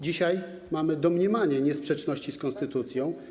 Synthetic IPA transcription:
d͡ʑiɕaj | mamɘd̪ɔmɲɛmaɲɛɲɛspʂɛt͡ʂnɔɕt͡ɕiskɔnst̪ɘt̪ut̪sʲjɔ̃w̃

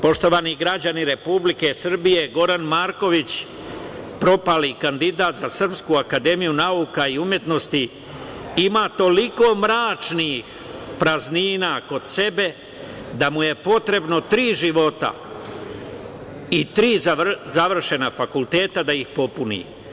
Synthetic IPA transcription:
po̞ʃt̪o̞ʋaniɡɾad͡ʑaniɾe̞publike̞sr̩bije̞ɡo̞ɾanmaːɾko̞ʋit͡ɕ | pɾo̞palikand̪id̪aːt̪zasr̩pskuakad̪e̞mijunaukaiumje̞t̪no̞st̪i | imaːt̪o̞liko̞mɾaːt͡ʃnix | pɾazniːnaːko̞d̪se̞be̞ | d̪amuje̞po̞t̪ɾe̞bno̞t̪ɾiːʒiʋo̞t̪a̰ | it̪ɾiːzazaʋr̩ʃe̞nafakulˠt̪e̞ːt̪ad̪aixpo̞punḭː

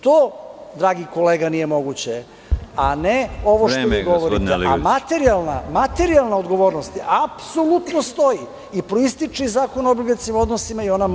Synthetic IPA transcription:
t̪oːd̪ɾaːɡiko̞leːɡanije̞mo̞ɡut͡ɕe | aneo̞ʋoʃt̪oʋiːɡoʋoɾit̪eamat̪eɾialˠnamat̪e̞ɾialˠnaod̪ɡo̞ʋo̞ːɾnost̪iʔapso̞lut̪nost̪o̞ji | ipɾoist̪it͡ʃizaːko̞nobiɡesimo̞d̪nosimaio̞na

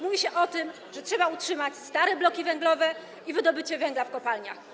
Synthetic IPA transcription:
muvʲiɕɛʔɔt̪ɘm | ʐɛtʂɛbautʂɘmat͡ɕst̪aɾɛblɔkʲivɛŋɡlɔvɛ | ivɘd̪ɔbɘt͡ɕɛvɛŋɡlafkɔpalɲa̰x

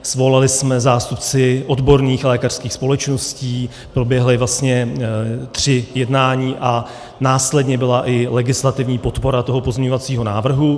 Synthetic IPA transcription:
svo̞lalɪsmɛzaːst̪upt͡sɪʔo̞dbo̞ɾniːxlɛːkar̝̥skiːxspo̞lɛt͡ʃno̞sciː | pɾo̞bjɛɦlɪvlast̪ɲɛ | t̪r̝̥ɪjɛdnaːɲiːʔa | naːslɛdɲɛbɪlaʔɪlɛɡɪslat̪ɪvɲiːpo̞t̪po̞ɾat̪o̞ɦopozmɲɛɲovat͡siːɦo̞naːvr̩ɦu

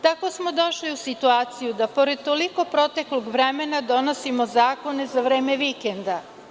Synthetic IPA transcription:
t̪ako̞smo̞d̪o̞ʃliusit̪uaːt̪sijud̪apo̞ɾe̞d̪̚t̪oliko̞pɾo̞t̪e̞kloɡʋɾemenad̪o̞no̞simo̞zaːko̞ne̞zaʋɾe̞ːmeʋikend̪a

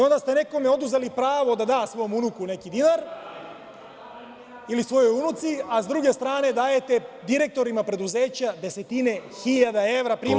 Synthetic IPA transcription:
o̞nd̪ast̪ene̞ko̞meo̞d̪uzelipɾaːʋo̞d̪ad̪aːsʋo̞jomunukune̞kid̪inaɾ | ilisʋo̞jo̞junut̪siazd̪ɾuɡe̞st̪ɾaːne̞d̪aːje̞t̪e̞d̪iɾe̞k̚t̪o̞ɾimapɾe̞d̪uze̞ːt͡ɕad̪e̞se̞t̪ine̞xiʎad̪ae̞ʋɾapɾiːm

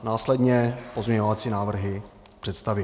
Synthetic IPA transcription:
naːslɛdɲɛpozɲɛɲo̞vat͡sinaːvr̩ɦɪ | pr̝̥ɛt̪st̪avɪ

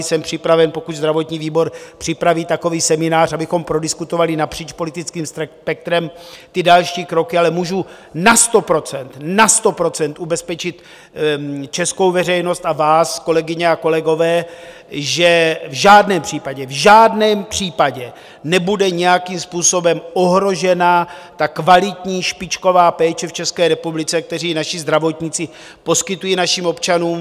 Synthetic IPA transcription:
sɛmpr̝̥ɪpɾavɛnpo̞kuczd̪ɾavo̞t̪ɲiːviːbo̞ɾpr̥ɪpɾaviːt̪ako̞viːsɛmɪnaːr̝abɪxo̞mpɾo̞dɪskut̪o̞valɪnapr̥iːt͡ʃpo̞lɪt̪ɪt͡skiːmsɛpɛk̚t̪ɾɛm | t̪ɪdalʃiːkɾo̞kɪalɛmuːʒu | nast̪o̞pɾo̞t͡sɛnt̪nast̪o̞pɾo̞t͡sɛnt̪ʔubɛspɛt͡ʃɪt̪ | t͡ʃɛsko̞wvɛrɛjno̞st̪avaːsko̞lɛɡɪɲɛako̞lɛɡo̞vɛː | ʒɛvʒaːdnɛːmpr̝̥iːpaɟɛvʒaːdnɛːmpr̥iːpaɟɛ | nɛbudɛɲɛjakimspuːso̞bɛmo̞ɦɾo̞ʒɛnat̪akvalɪt̪ɲiːʃpɪt͡ʃko̞vaːpɛːt͡ʃɛft͡ʃɛskɛːɾɛpublɪt͡sɛk̚t̪ɛriːnaʃɪzd̪ɾavo̞t̪ɲɪt͡sɪ | po̞skɪt̪ujiːnaʃiːmo̞pt͡ʃanuːm

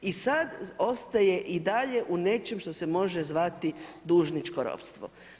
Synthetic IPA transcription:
isad̪o̞st̪aje̞ʔid̪aʎe̞ʔune̞t͡ʃemʃt̪ose̞mo̞ʒezʋat̪i | d̪uːʒnit͡ʃkoɾo̰pst̪ʋo̰

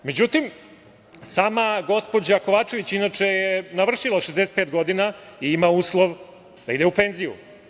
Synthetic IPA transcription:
me̞d͡ʑut̪im | saːmaɡo̞spo̞d͡ʑako̞ʋaːt͡ʃe̞ʋit͡ɕinat͡ʂe̞jenaʋr̩ʃilˠaʃezd̪ese̥peːt̪ɡo̞d̪inaiimauːslˠoʋ | d̪aid̪eupe̞nzijṵ

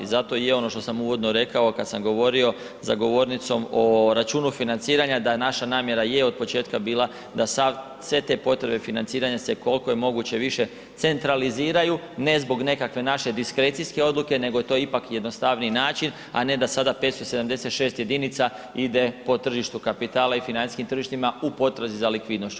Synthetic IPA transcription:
zat̪o̞jeo̞noʃt̪o̞samuʋo̞d̪no̞ɾe̞kao̞kad̪samɡo̞ʋo̞ɾio̞ | zaɡo̞ʋo̞ɾnit̪so̞moɾat͡ʃuːnufinant̪siːɾaɲad̪anaʃanaːmje̞ɾaje̞o̞d̪̚po̞t͡ʃe̞ːt̪̚kabiːlˠa | d̪asa | sʋe̞t̪e̞po̞t̪ɾe̞be̞finant̪siːɾaɲaseko̞lˠko̞je̞mo̞ɡut͡ɕe̞ʋiʃe̞ | t̪se̞nt̪ɾaliziːɾaju | ne̞zbo̞ɡne̞kakʋe̞naʃe̞d̪iskɾe̞ːt̪sijske̞o̞d̪lˠuke̞ne̞ɡo̞jet̪o̞ipakjed̪nost̪aʋniinaːt͡ʃin | a̰ne̞d̪asad̪apet̪st̪o̞se̞d̪amd̪e̞se̞t̪ʃe̞ːst̪je̞d̪init̪sa | id̪e̞po̞t̪r̩ʒiʃt̪ukapit̪aːlaifinaniskimt̪ɾr̩ʒiʃt̪imaupo̞t̪ɾazizalikʋiːd̪noʃt͡ɕ

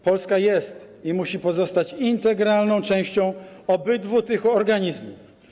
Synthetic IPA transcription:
pɔlskajɛst̪imuɕipɔzɔst̪at͡ɕint̪ɛɡɾalnɔ̃w̃t͡ʂɛ̃w̃ɕt͡ɕɔ̃w̃ɔbɘd̪vut̪ɘxɔɾɡaɲizmuf

